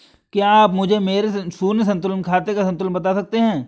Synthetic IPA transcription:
keaːpmʊd͡ʒʱemeːɾesuːnjs̬ɐ̃nt̪ʊlənkʰaːt̪ekasɐ̃nt̪ʊlənbɐt̪asɐk̚t̪eɦɛ̃ː

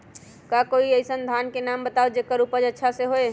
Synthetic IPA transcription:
kakoiəjsənd̪ʱankenambət̪aod͡ʒekəɾupəd͡ʒətːʃʰaseɦoe

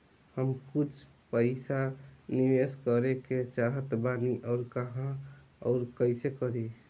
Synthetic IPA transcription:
həmkut͡ʃʰ | pəɪsaniʋeskəɾeket͡ʃaɦət̪baniʔɔːɾkəɦã | ɔ̰ːɾkəɪsekəɾe

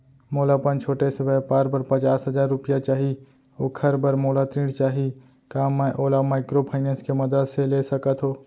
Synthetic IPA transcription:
moːlapənt͡ʃʰoːʈesɪbəpaːɾbəɾpɐt͡ʃaːsɦəzaːɾːʊpɪjat͡ʃaːɦi | oːkʰəɾbəɾmoːlat̪ɾĩːɖt͡ʃaːɦi | kaːmːaʔoːlamaːɪkɾopʰaːɪnẽːnskemɐd̪əd̪seleːsəkət̪ɦoː

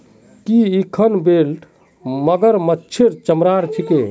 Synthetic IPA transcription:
kiikʰənbelʈ | məɡəɾmətːt͡ʃʰeɾt͡ʃəmɾaɾt͡ʃʰike

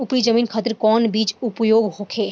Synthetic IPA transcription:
ʊpɾid͡ʒəmiːnkʰaːt̪ɾkɔːnbiːt͡ʃʊpjoːɡɦoːkʰeː

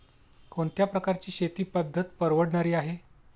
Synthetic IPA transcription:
koɳt̪japɾəkaɾt͡ɕiːɕet̪iːpəd̪ʱːət̪pəɾʋəɽɳaɾiːaɦe

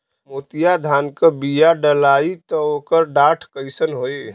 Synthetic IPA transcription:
mot̪ijad̪ʱaːnkəbijaɖəlait̪ɔokəɾɖaʈʰkəɪsənɦoe

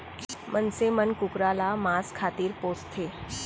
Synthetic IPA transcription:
mʔənsemənkukɾalamaskʰat̪iːɾpost̪ʰe

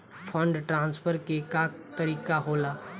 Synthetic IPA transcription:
pʰə̃ɳɖʈɾãːnspʰəɾkekat̪ɐɾiːkaɦoːlaː

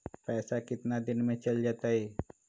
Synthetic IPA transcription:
pɛːsakɪt̪nad̪ɪnmẽt͡ʃɐld͡ʒaːt̪aɦɛː

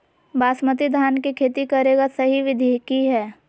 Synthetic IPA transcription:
baːsmət̪id̪ʱaːnkikʰeːt̪ikɐɾeːɡasɐɦiʋɪd̪ʱeːkiɦɛː

